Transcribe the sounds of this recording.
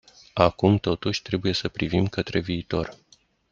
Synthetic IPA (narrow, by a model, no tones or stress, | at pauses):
akumt̪o̞t̪uʃʲt̪ɾe̞buje̞səpɾivimkət̪ɾe̞viːt̪o̞r